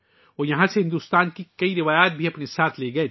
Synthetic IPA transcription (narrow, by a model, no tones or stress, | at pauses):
ɔːjɐɦãseɦɪ̃nd̪uːst̪aːnkikɐiɾɪʋaːjaːt̪̚bʱiɐpnesaːt̪ʰleːɡɐe